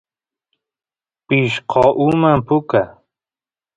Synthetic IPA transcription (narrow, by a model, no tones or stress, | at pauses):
piʃqʰɑʔumampʊka